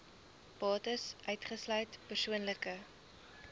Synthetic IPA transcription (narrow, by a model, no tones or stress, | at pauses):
pɑːtəsʔœɥtχəslœɥtpərsuənləkə